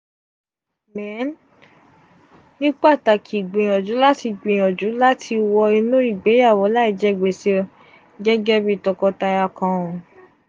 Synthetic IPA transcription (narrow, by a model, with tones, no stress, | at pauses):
mɛ̃˨˦n | nĩ˦k͡pa˦˨ta˨kʰi˨ɡ͡bẽ˨ɔ̃˨d͡ʒu˨˦la˦ti˧ɡ͡bẽ˨ɔ̃˨d͡ʒu˨˦la˦tʰi˧wɔ˧e˧lõ˦ɾi˦˨ɡ͡be˨˦ja˦˨wɔ˨˦la˦i˨˧˦d͡ʒɛ˦˨ɡ͡be˨se˦˧ | ɡɛ˦ɡɛ˦bi˦˧˨tɔ˧kɔ˧ta˧ja˧kã˧õ˨